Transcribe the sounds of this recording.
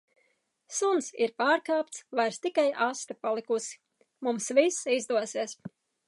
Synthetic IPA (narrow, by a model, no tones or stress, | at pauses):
sunsḭɾpaːɾkaːp̚t̪svajɾst̪ikajʔast̪apalˠikusi̥ | mumsvisizd̪uɔsiɛs